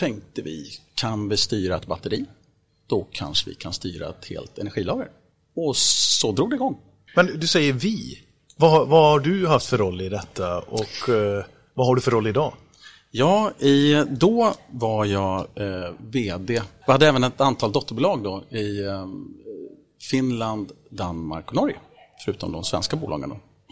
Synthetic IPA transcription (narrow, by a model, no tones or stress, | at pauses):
t̪ʰɛŋk̚t̪əvɪ̰kʰanvɪst̪yːɾaɛt̪̚bat̪ːəɾiː | d̪̥ɔkʰa̰nʂəvɪ̰kʰanst̪y̰ːɾa̰ɛt̪hḛːlt̪ɛnæɧiːlɑːɡə̰ɾ | ɔsɔd̪ɾuːɡd̪ɛɪɡɔŋː | mɛnd̪ɵsɛjːəɾvɪ | vahvahaɖɵhaft̪fœɾɔlːɪd̪ɛt̪ʰːaɔk | vaɦaɖɵfœɾɔlːɪd̪ɑː | jɑːɪd̪ɔvaɾjɑː | veːd̪ejɪhad̪ːəɛːvənɛt̪ant̪ʰɑːlt̪ɔt̪ːəɾbʊlɑːɡ̚d̪ɔɪ | fɪnland̪d̪anma̰ɾkɔnɔɾj̰ | fœɾʉ̟ːt̪ɔmd̪ɔmsvɛ̰nskabuːlɑ̰ːɡə̰nd̪ɔ̰